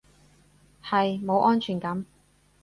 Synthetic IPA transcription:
hɐ˨jmo˨˧wʔɔː˥nt͡ʃʰyː˨˩nkɐ˨˥m

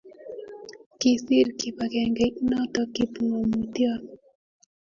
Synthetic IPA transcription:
ki˨si˦ɾkipa˨kɛ˨ŋɡɛnɔ˦tɔ˦ki˨puŋɔ˨muti˦a˦

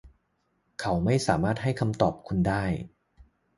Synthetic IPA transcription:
kʰa˦˥wma˥˩jsaː˩˦maː˥˩t̪̚ɦa˥˩jkʰa˧mt̪ɔː˨˩p̚kʰu˧ndaː˥˩j

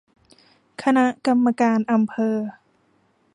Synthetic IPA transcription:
kʰa˧na˦˥ʔka˧mːa˧kaː˧nʔa˧mpʰɤː˧

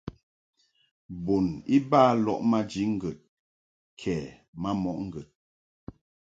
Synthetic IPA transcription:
bo˨ni˦baː˦˨lɔ̰˨ʔma˦d͡ʒi˨˦ŋ̩˦ɡə˨t̚ | kʰɛ˨ | ma˦mɔ˨ʔŋ̩˦ɡə˨t̚

